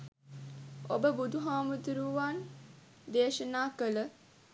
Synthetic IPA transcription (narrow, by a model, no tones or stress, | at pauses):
obəbud̪ʱuɦaːmud̪uɾuʋan | d̪eːʃənaːkələ